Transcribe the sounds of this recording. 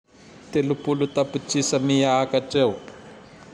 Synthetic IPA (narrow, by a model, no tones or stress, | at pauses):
t̪elupulut̪aput͡ʃisamijakaʈ͡ʂeu